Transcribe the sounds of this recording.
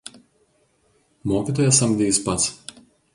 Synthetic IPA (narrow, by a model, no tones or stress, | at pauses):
moːkʲiːˑt̪oːjɛsɐmʲɡ̪d̪ʲɛispɐt̪s